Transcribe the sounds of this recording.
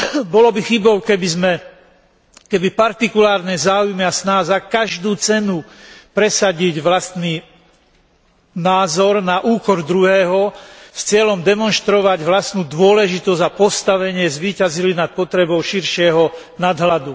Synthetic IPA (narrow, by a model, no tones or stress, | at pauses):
bɔlɔbixibɔʊkɛbizmɛ | kɛbipaɾt̪ikulaːɾnɛzaːujmiasnaːzakaʒd̪uːt͡sɛnupɾɛsaɟiɟʋlast̪niː | naːzɔɾnaʔuːkɔɾd̪ɾuɦɛːɦɔst͡sɪɛlɔmd̪ɛmɔnʃt̪ɾɔʋaɟʋlast̪nuːd̪ʋʊɔlɛʒit̪ɔzapɔst̪aʋɛɲɪɛzʋiːcazilinat̪̚pɔt̪ɾɛbɔʊʃiɾʃɪɛɦɔ | nad̪ɦlad̪u